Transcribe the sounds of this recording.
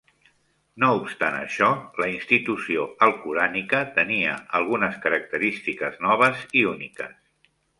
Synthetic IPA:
noupst̪anə̰ʃɔləinst̪it̪usioəlˠkuɾanikət̪əniə̰əlˠɣunəskəɾək̚t̪əɾist̪ikəznɔβ̞əziunikə̰s

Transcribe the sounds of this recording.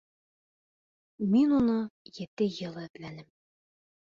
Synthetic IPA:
minunɤjɘ̆t̪ɘjɤ̆lˠæplænɘm

